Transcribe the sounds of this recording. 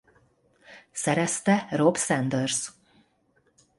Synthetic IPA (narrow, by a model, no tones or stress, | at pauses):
sɛɾɛst̪ɛrobsɛnd̪ørs